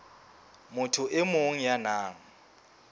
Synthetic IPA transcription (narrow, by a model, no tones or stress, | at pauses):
mʊtʰʊʔɪmoŋ̩janaːŋ̩